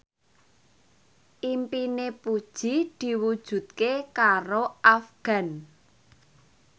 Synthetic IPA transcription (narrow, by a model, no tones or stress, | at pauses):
ʔimpinepud̥ʒ̥id̪̥i̤wud̥ʒ̥ṳt̪̚kekaɾoʔafɡ̥ä̤n